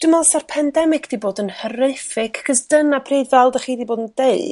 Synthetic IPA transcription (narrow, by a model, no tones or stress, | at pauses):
d̥umalˠsarpʰɛndɛmɪɡd̥iboːdənhəɾefɪkʰaχəsd̥ənapʰriːdvɛlˠdəχiːdiboːdəndeɨ